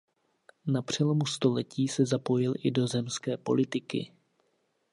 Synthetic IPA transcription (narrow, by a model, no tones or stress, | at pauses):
napr̝̥ɛlo̞must̪o̞lɛciːsɛzapo̞jɪlʔɪdo̞zɛmskɛːpo̞̰lɪt̪ɪkɪ̰